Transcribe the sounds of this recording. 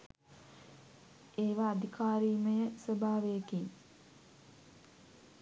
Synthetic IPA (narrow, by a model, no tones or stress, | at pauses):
eːʋaːd̪ʱikaːɾiːməjəsəbʱaːʋejkiŋ